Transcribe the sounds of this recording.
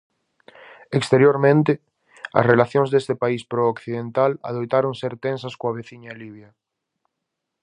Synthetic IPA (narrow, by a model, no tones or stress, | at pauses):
ekst̪eɾjoɾmẽnt̪ɪ | ɐ̰srelaθjõŋzðest̪epaispɾoːkθiðent̪ala̰ðojt̪aɾoŋseɾt̪ẽnsɐskoɐβeθiɲɐliβ̞jɐ